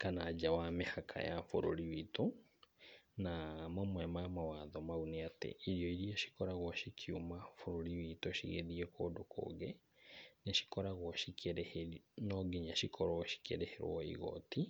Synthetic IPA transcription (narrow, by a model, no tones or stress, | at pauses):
kanad͡ʒawamehakʰa̰jafo̰ɾo̰ɾiwito | namamwɛmamawaðɔmauneatḛiɾiɔiɾiɔʃi̥kɔɾaɣwɔʃikʰjumafoɾoɾiwitoʃiɣḛðiɛkoːdokʰo̰ːɣɛ | neʃi̥kɔɾaɣwɔʃikʰeɾehenɔɡiɲaʃikʰɔɾwɔʃi̥keɾeheɾwɔḭɣɔ̰tʰi